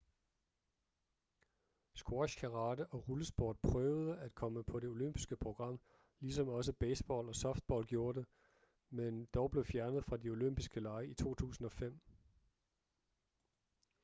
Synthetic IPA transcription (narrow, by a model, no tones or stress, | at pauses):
sɡ̥wɒɕkʰæʁɑ̈ːdəʔɒ̽ʁuləsb̥o̰ːd̥̚pʰʁœʊð̞ˠəæd̥̚kʰɒ̽məpʰɒ̽ɾe̝o̝løm̰b̥isɡ̥əpʰʁo̝ɡ̥ʁɑ̈m̰ | lisɒ̽mɒ̽səb̥eɪsb̥ɒ̰ːlɒ̽sɒ̽fd̥̚b̥ɒ̰ːlɡ̥jo̝ːɐɾe̝ | mend̥ɒʊb̥le̝ʊfjæɐnð̞̩ˠfʁɑ̈dio̝løm̰b̥isɡ̥əlɑ̈ɪəit͡sʰo̝̰ːt͡sʰṵːsn̩ɒ̽fem̰